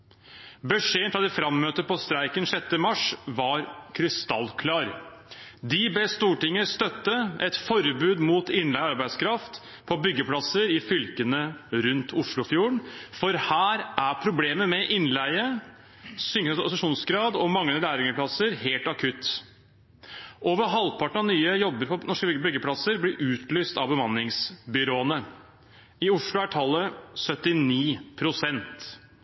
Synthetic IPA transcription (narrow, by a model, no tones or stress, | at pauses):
bəʂeːənfɾɑd̪ɛfɾɑmːøːt̪əpɔst̪ɾæɪkənʂɛt̪ːəmɑʂʋɑɾkʰɾɪst̪ɑlːkʰlɑːɾ | d̪ɪbeːst̪uːʈɪŋːəst̪œt̪ːəɛt̪fɔɾbʉːd̪muːt̪ɪnlæɪəɑɾbæɪd̪skʰɾɑft̪ | pʰɔbʏɡːəpʰlɑsəɾɪfʏlkənəɾʉnt̪ʰʊʂlʊfjuːəɳfɔɾhæːɾʔæɾpʰɾʊbleːməmɛʔɪnlæɪə | sʏŋssɑʂuːnsɡɾɑːd̪ɔmɑŋːəlæːɾɪŋəpʰlɑsəɾheːlt̪ɑkʰʉt̪ | ʔoːʋəɾɦɑlpʰɑʈɳ̩ɑnyːəjɔbːəɾpʰɔnɔʂkəbʏɡbʏɡːəpʰlɑsəɾblɪɾʔʉːt̪lyːst̪ɑʋbəmɑnːɪŋsbʏɾoːənə | ɪʊʂlʊæʈʰɑlːəsœt̪ɪniːpʰɾʊsɛnt̪